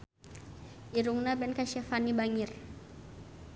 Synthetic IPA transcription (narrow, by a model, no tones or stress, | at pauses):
iɾuŋnabɛnkaʃɛfanibaŋir